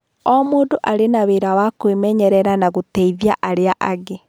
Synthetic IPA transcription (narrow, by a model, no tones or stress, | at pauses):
ɔmoːdoʔaɾenaβeɾawakwemɛɲɛɾɛɾanaɣotɛiðjaʔaɾeaʔaɣe